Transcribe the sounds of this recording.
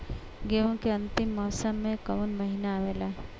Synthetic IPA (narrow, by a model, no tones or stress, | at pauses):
ɡeʋukeə̃nt̪ɪmːɔːsəmːẽkəʋunməɦinaːʋela